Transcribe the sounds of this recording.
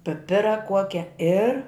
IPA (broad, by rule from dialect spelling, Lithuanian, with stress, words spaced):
pʲɪˈpʲɪrɐ ˈkuɔkʲɛ ɪr